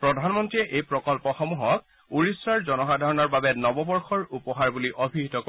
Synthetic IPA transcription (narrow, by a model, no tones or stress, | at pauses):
pɹɔdʱanmɔntɹiɛʔejpɹɔkɔlpɔxɔmuɦɔk̚ | uɹisɹaɹzɔnɔxadʱaɹɔnɔɹbabɛnɔbɔbɔɹxɔɹupɔɦaɹbuliʔobʱiɦitɔk